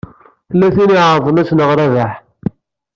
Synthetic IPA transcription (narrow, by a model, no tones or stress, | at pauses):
θəlːæθiniʕɾˤðˤənæsnəʁɾævaħ